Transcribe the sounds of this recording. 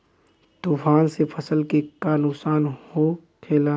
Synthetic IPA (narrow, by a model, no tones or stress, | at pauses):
t̪ufaːnsepʰəsəlkekaːnʊsaːnho | kʰeːla